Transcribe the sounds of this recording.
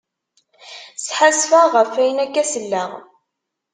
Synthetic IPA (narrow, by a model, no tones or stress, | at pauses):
sħasfaʁəfæjənækːæsəlːæʁ